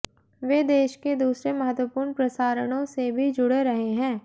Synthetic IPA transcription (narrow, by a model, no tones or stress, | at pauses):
ʋeːd̪eːʃked̪uːsɾemɐɦət̪wəpuːɾɳpɾɐsaːɾəɽ̃õsebʱid͡ʒʊɽeɾɐɦeɦɛ̃ː